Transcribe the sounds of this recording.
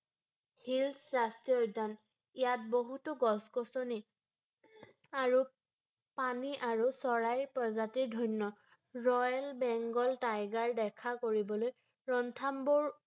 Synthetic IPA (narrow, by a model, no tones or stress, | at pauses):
hilsɹastiojdʱan | ijat̚boɦutʊɡɔskɔsɔni | aɹu | paniʔaɹusɔɹajɹpɹɔzatiɹdʱɔjnːɔ | ɹɔjlbɛŋɡɔltajɡaɹdɛkʰakoɹibɔloj | ɹɔntʰambɔɹ